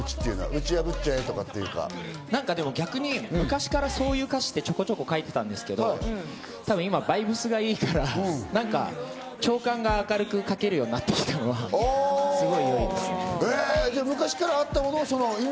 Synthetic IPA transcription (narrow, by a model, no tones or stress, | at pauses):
ɯt͡ɕi̥t̪ːeiɯ̟noβa̰ɯ̟t͡ɕijabɯ̟t̚t͡ɕaet̪o̞kat̪ːejɯ̟ka̰ | nãŋkad̪e̞mo̞ɡʲakɯ̟ɲ̟imɯ̟kaɕi̥kaɾaso̞ːjɯ̟ːkaɕi̥t̪ːet͡ɕo̞ko̞t͡ɕo̞ko̞kait̪e̞t̪ãnd̪e̞sɨ̥ke̞d̪o | t̪abɯ̟̃imabaibɯ̟sɨɡaiːkaɾanãŋka̰ | t͡ɕo̞ːkãŋɡaːkaɾɯ̟kɯ̟kake̞ɾɯ̟jo̞ːɲ̟inat̪ːe̞̥kʲi̥t̪ʰano̞βa | sɨɡo̞ijoid̪eed̪emɯ̟kaɕi̥kaɾaːt̪ːamo̞noːsono̞i